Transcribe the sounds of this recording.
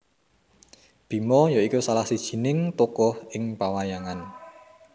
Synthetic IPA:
b̥i̤mɔjoikusalahsid̥ʒ̥i̤nɪŋt̪ukɔhɪŋpawajaŋan

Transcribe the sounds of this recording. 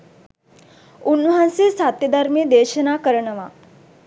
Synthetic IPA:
unːɐɦãnsiːsat̪jəd̪əɾmid̪eːʃənaːkəɾəɳɐʋa

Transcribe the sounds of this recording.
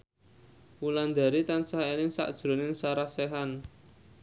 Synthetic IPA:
wuland̪a̤ɾit̪ansaɦaelɪŋsa̰ʔd̥ʒ̥ɾo̤nɪŋsaɾasɛɦan

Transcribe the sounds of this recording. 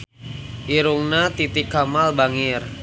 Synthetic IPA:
ʔiɾuŋnat̪it̪ɪkːamalbaŋɪr

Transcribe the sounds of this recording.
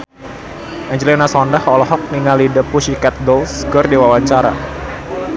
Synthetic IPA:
ʔɛɲd͡ʒlinasɔndahɔlɔɦɔk̚niŋalidəpuʃikɛt̪̚dɔlsɡɔrdiwawaɲt͡ʃaɾa̰

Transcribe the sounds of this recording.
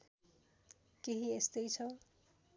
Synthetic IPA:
keɦiest̪ʌjt͡sʰʌ

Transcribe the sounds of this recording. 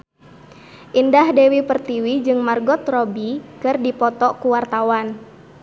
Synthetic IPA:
ʔindahdewipərt̪iwid͡ʒɨŋmarɡɔt̪rɔbikɨrdipɔt̪ɔkuwart̪awan

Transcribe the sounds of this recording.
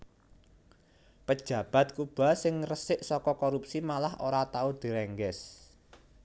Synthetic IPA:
pəd̥ʒ̥ä̤b̥ä̤t̪̚kub̥ä̤sɪŋrəsɪʔsɔkɔkoɾup̚simalahʔoɾat̪aud̪̥i̤ɾɛŋɡɛs

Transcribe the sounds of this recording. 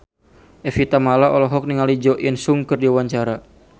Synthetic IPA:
ʔɛfit̪amalaʔɔlɔɦɔk̚niŋalid͡ʒɔʔinsuŋkɨrdiawaɲt͡ʃaɾa

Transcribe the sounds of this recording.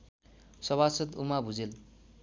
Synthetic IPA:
sʌβasʌt̪umabʱud͡zel

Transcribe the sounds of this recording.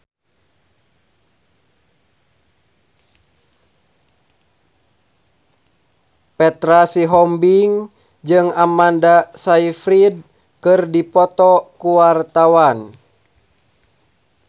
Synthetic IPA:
pɛt̪ɾasiɦɔmbiŋ | d͡ʒɨŋamandasaifɾid̚ | kɨrdipɔt̪ɔkuwart̪awan

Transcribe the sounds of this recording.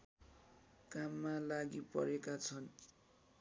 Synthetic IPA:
kamːalaɡipʌ̰ɾekat͡sʰʌn

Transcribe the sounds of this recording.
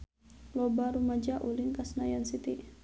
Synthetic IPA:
lɔbaɾumad͡ʒaʔuliŋkasnajansit̪i

